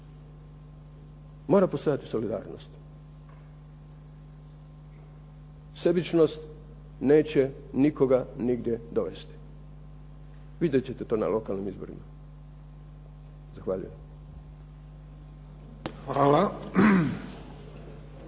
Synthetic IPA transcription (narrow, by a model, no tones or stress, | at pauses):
mo̞ːɾapo̞st̪o̞jat̪i̥so̞lid̪a̰ːɾno̞̰st̪ | se̞bit͡ʃno̞st̪ | ne̞ːt͡ɕe̞ | niko̞ɡaniɡd̪jed̪o̞ʋe̞st̪i̥ | ʋid̪jet͡ɕe̞t̪e̞t̪o̞ːna̰lo̞kalnimizbo̞̰ɾḭma | zaxʋaːʎṵjem | xʋala